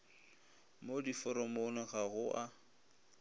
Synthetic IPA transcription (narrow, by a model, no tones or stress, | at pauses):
modifɔɾɔmonɔɣaɣʊʔa